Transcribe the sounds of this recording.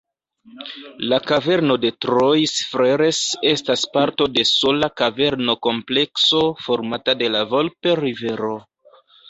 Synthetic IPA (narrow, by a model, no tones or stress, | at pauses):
lakave̞ɾno̞de̞tɾojsfɾeɾe̞se̞staspaɾto̞de̞so̞lakave̞ɾno̞ko̞mple̞kso̞fo̞ɾmatade̞lavo̞lpe̞ɾive̞ɾo̞